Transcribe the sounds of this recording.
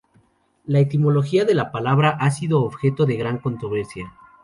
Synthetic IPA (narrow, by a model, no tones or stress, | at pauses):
laet̪imo̞lo̞xiaðe̞lapalaβɾaʔasiðo̞ːβxe̞t̪o̞ðe̞ɣɾaŋko̞nt̪ɾo̞βe̞ɾsja